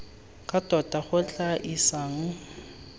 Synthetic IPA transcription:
kʼad̥ʱɔdʱʼaχʊt͡ɬʼaʔisaːŋ̩

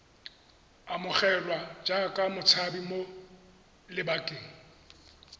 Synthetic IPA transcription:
amʊχɛlwad͡ʒakʼamʊt͡sʰabimo | lɪbakʼeːŋ̩

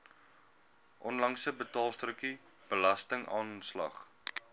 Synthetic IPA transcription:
ʔɔnlɐŋsəbətɑːlˠstrəki | b̥əlɐstəŋɑːnslɐ̰χ

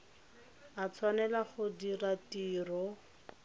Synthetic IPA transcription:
at͡sʰwanɛlaχʊdiratiːrɔ

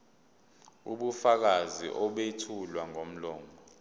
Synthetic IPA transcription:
uɓufak̬azḭʔɔɓetʰulwaŋom̩lɔːŋɔ

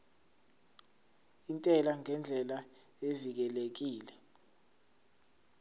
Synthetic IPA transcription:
intʼɛlaŋɛnd͡ɮʱɛlaevik̬ɛlek̬iːlɛ

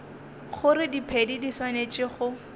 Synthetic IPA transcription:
χʊɾɪdipʰedidiswanet͡ʃʼɪχʊ

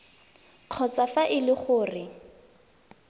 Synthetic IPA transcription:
q͡χʰɔt͡safaʔɪlɪχʊːrɪ

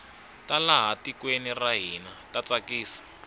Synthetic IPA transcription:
talaɦatikweniraɦinatat͡sakiːsḁ

